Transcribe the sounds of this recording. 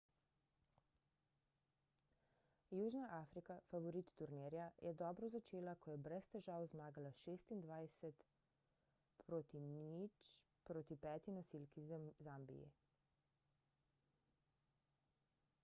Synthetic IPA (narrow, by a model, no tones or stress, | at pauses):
juːʒnaʔaːfɾikafaʋɔɾit̪ːuɾneɾjajɛd̪ɔːbɾɔzat͡ʃeːlakɔjɛbɾɛst̪ɛʒaːwzmaːɡalaʃeːst̪ind̪ʋaːjsɛt̪ | pʰɾoːt̪init͡ʃ | pɾoːt̪ipɛːt̪inɔsilkizambḭjḭ